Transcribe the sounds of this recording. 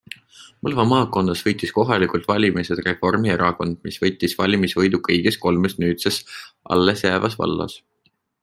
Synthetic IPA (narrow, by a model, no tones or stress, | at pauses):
pulvɑmɑːkːˑo̞n̥ːɑsvɤjt̪ːˑisko̞ɦɑlʲikult̪vɑlʲimised̪re̞fo̞rmieɾɑko̞nd̪̥misvɤjt̪ːˑisvɑlʲimisvɤjd̪ukɤjɡ̥esko̞lmesnyːt̪sesʔɑ̰lːesjæːvɑsvɑ̰lːɑ̰s